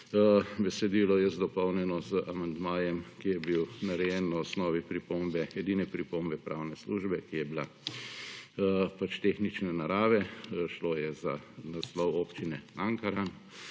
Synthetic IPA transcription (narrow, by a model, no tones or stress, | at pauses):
bɛsɛd̪iːlɔjɛzd̪ɔpɔwnɛnɔzəʔamand̪maːjɛmkijɛbiwnaɾɛjɛnːaɔsnɔːʋipɾipombɛɛd̪iːnɛpɾipombɛpɾʔaːwnɛsluʒbɛkijɛbila | pat͡ʃt̪exnit͡ʃnɛnaɾaːʋɛʃloːjɛzanaslɔwoːpt͡ʃinɛaŋkaɾan